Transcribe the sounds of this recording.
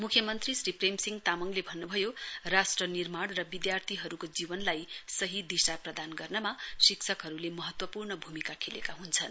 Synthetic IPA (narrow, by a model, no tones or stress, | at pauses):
mukʰjʌmʌnt̪risripremsiŋɡt̪amʌŋlebʱʌnːubʱʌjorasʈrʌnirmaɽrʌbid̪jart̪ʰiɦʌɾukod͡zibʌnlajsʌɦid̪isaprʌd̪anɡʌrnʌmasiksʰʌkɦʌɾulemʌɦʌt̪wʌpurnʌbʱumikakʰelḛkaɦunt͡sʰʌn